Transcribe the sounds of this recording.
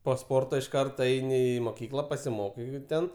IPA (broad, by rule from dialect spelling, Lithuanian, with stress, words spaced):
poː ˈspoːrtoː ɪʃ ˈkɐrtoː ˈɛɪnʲɪ ɪ moːˈkʲiːklˠɐ pɐsʲɪˈmoːkɐɪ ˈtʲɛn